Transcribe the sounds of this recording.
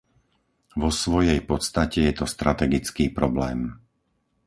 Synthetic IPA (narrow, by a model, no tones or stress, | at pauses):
ʋɔsʋɔjɛjpɔt̪st̪acɛjɛt̪ɔst̪ɾʔat̪ɛɡit͡skiːpɾɔblɛːm